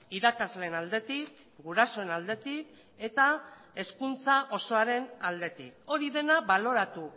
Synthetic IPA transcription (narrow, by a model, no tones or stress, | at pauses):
iɾakazleːnald̪e̞t̪ik | ɡuɾaso̞e̞nald̪e̞t̪ik | e̞t̪a | e̞skunt͡saʔo̞so̞aɾe̞nald̪e̞t̪iko̞ɾiðe̞naβalo̞ɾat̪u